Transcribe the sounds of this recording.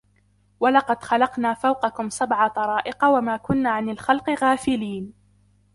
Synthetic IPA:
walɑqɑd̪xalɑqnaːfawqɑkʊmsabʕat̪ˤɑɾˤɑːʔɪqɑwamaːkʊnːaːʕanalxalqɨɣaːfɪliːn

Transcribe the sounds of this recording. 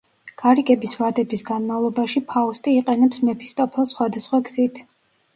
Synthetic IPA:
ɡ̥aɾiɡɛbisvad̪ɛbisɡanmavlˠɔbaʃipʰaust̪ʼiːqʼɛnɛpsmɛpʰi̥st̪ʼɔpʰɛlˠsχwad̪asχwaɡz̥it̪ʰ

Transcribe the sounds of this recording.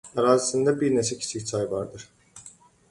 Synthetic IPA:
æɾaːzisind̪æbiɾnet͡ʃʰɛcʰi̥sʰicsʰajvɑɾd̪ɯɾ̥

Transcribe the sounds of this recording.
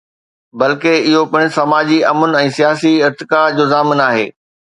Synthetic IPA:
bɐlkeɪɦopɐ̃ɽ̃sɐmaːd͡ʑiɐmʊnɛ̃ːsijaːs̬iɪɾt̪ɪkad͡ʑoːzaːmɪnaːɦḛː

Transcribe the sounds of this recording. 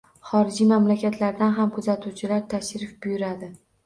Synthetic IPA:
χɒɾɪd͡ʒimamlakʲat̪ʰlaɾd̪anɦamkʰʊzat̪ʰuwt͡ʃʰɪlaɾt̪ʰaʃɾɪfbʊjʊɾad̪ɪ

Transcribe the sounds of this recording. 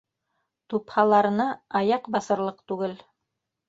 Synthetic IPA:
t̪uphɑlˠɑɾɤ̆nɑɑjɑqbɑsɤ̆ɾlˠɤqt̪ʉɡɘl

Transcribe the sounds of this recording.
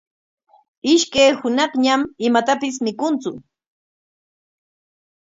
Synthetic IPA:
ɪʃkajhʊnɑχɲamɪmat̪apɪs̬mɪkʊnt͡sʊ

